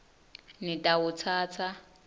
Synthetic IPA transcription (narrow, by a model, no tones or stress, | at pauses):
nɪtʼaʊt͡sʰaːt͡sʰa